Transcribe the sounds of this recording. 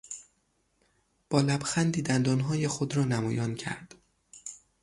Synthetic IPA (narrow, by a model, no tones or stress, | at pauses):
b̥ɒːlæbxænd̪iːd̪ænd̪ɒːnɦɒːjexod̪ɾɒːnæmɒːjɒːncʰæ̰ɾd̪̥